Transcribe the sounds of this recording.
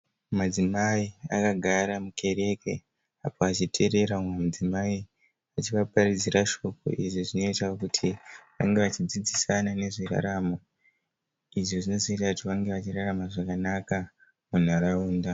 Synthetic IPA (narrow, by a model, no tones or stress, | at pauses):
mad͡zimaia̰kaɡʱaɾamuke̞ɾe̞ke̞ | apoat͡ʃitʰe̞ɾe̞ɾaumemad͡zimai | at͡ʃiʋaparid͡ziraʃo̞ko̞̰ʔiʐiʐino̞itakutʰiʋa̰ŋɡeʋat͡ʃid͡zid͡zisanane̞ʐira̰ɾamo̞ | iʐoʐino̞zoitakutiʋaŋɡe̞ʋat͡ʃiraramaʐakanaka | mun̤aɾauːnda